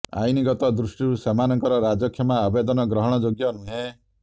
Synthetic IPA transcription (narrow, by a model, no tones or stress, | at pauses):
a̰jniɡɔt̪ɔd̪ɾusʈiɾusemanɔŋkɔɾɔɾad͡ʒɔkʰjɔmaːbed̪ɔnɔɡɾɔɦɔɽ̃ɔd͡ʒoɡjɔnuɦẽ